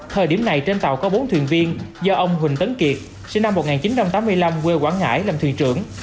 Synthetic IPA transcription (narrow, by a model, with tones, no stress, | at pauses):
t̪ʰəː˨˩jɗi˧˩əmna˨˩jt͡ɕe˧nt̪a̰˨˩wkɔ˨˦ɓo˨˦nt̪ʰwḭ˧˨ənvi˧ənzɔ˧ʔə˧wŋ͡mɦwï˨˩ŋ̟t̪ə˨˦nki˨˩ət̚ | si˧nːa˧mːo˨˩t̚ŋaː˨˩nt͡ɕi˨˦nt͡ɕa˧mt̪aː˨˦mɨ˧əjla˧mkwe˧kwaː˧˩nŋa̰ː˧˥˩jlaː˨˩t̪wḭ˧˨ənt͡ɕɨ˧˩əŋ